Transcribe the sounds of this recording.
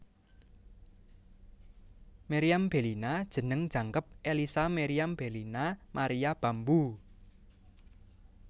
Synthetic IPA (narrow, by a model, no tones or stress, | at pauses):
meɾiamb̥e̤linad̥ʒ̥ə̤nəŋd̥ʒ̥a̤ŋkəp̚ʔelisameɾiamb̥e̤linamaɾijab̥a̤mbu